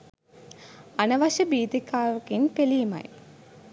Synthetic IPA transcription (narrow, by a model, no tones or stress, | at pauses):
ɐnɐʋɐɕɐbiːd̪ikːaːʋɐkinpelijmɐ̰j